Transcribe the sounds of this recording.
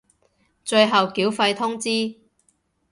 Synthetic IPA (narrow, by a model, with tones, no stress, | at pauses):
t͡ʃɵ˧ɥɦɐ˨wkiː˨˥wfɐ˧jt̪ʰʊ˥ŋt͡siː˥